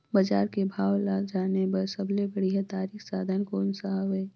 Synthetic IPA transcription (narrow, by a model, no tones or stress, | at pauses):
bɐd͡ʒaːɾkebʱaːwlaːd͡ʒaːnebəɾsəbʱlebəɽiɦat̪aːɾiːxsaːd̪ʱənkoːnsəɦəbeː